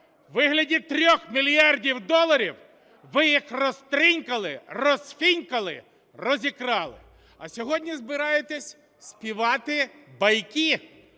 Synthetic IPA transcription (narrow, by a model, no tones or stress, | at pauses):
ʋɪɦlʲɐdʲit̪ɾʲɔxmʲilʲijɑrdʲiwd̪ɔlˠɐɾʲiw | ʋɪjixrɔst̪ɾʲinʲkɐlˠɪrɔsfʲinʲkɐlˠɪ | rɔzʲikɾɑlˠɪ̰ | ɐsʲɔɦɔdʲnʲizbɪɾɑjet̪ɛsʲ | sʲpʲiʋɑt̪ɪbɐjkʲi